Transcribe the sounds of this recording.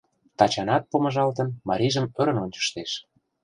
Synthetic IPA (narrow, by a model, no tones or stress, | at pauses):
t̪ɑt͡ɕɑnɑt̪̚pomə̆ʒɑlt̪̬ə̆nmɑɾʲiʒə̆mø̆ɾə̆nonʲt͡ɕə̥ʃt̪eʃ